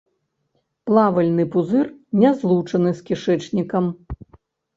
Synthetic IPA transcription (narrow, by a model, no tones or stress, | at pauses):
plˠavɐlʲnɨpuzɨrnʲɛzlˠut͡ʂɐnɨskʲiʂɛt͡ʂnʲikɐm